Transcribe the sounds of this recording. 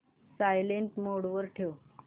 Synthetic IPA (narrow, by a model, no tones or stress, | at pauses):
sajleɳʈmoɽʋəɾʈʰew